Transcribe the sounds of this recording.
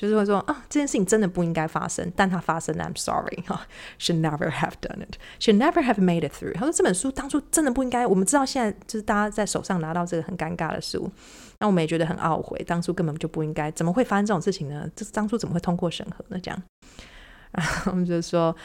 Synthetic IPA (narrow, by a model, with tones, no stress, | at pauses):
t͡ɕjo˥˧ʂɻ̩˥˧we˥˩ʂwɔ˥ʔə˥˩ʈ͡ʂɤ˥˩t͡ɕʰjɛ˥nʂɻ̩ʰ˥˩i˩nʈ͡ʂə˥nd̪ə˨˩pu˥˩i˥ŋka˥ɪfa̰˥sə̰˥ŋt̪a˥˩nt̪ʰa˥fa˥sə˦ŋʔã̰˨ɪ̃msɑ̰˦ɹḭ˨hɑ̰˨˩ʃi˨dnɛvə̰˞ɦæ̰vd̥ʌ̰˦nɪ˩t | ʃi˨dnɛ˦və˞ɦævme˥ɪɾɪ˨t̪̚θɹṵ˥˩xa˨˩ʊswɔ˥ʈ͡ʂɤ˥˩bə˨˩nʂu˥t̪ɑ˥ŋt͡sʰu˥ʈ͡ʂə˥nd̪ə˨pu˥˧i˥ŋka˥ɪwɔ˨˩mə˦nʈ͡ʂɻ̩˥t̪ɑ˥˧ʊɕjɛ˥˧nt͡sa˥˩ɪt͡ɕjo˥ʊʂɻ̩˥˩t̪ʰa˥t͡sa˥˩ɪʂo˨˩ʊʂɑ˥˩ŋna˧˥t̪ɑ˥˧ʊʈ͡ʂɤ˥˩ɡə˩hə˨˩nka˥nka̰˥˩d̪ə̰˩ʂṵ˦˥ | na˥˩wɔ˨mə˦jɛ˨˩t͡ɕɥɛ˧d̪ə˧xə̰˨˩nʔɑ̰˥˩ʊxwḛ˨˩ɪt̪ɑ˥ŋʂʰu˥kə˥npə˨˩nt͡ɕjo˥˧ʊpu˥˩i˦˥ŋka˥ɪt͡sə˨˩mə˩xwe˥˩ɪfa˥ə˥nʈ͡ʂɤ˥˩ʊ˨ŋʂɻ̩˥˩t͡ɕʰi˨˩ŋnə˦ʈ͡ʂə˥˧˥t̪ɑ˥ŋt͡sʰu˥t͡sə˨˩məxwe˥˩ɪt̪ʰŋkwɔ˥˩ʂə̰˧˥ŋxɤ˧˦nə˧ʈ͡ʂɤ˧˥jɑ̰˥˩ŋ | a˧˥ŋo˨wɔ˨mt͡ɕɛ˥ʊ˥˧˩ʂwɔ˥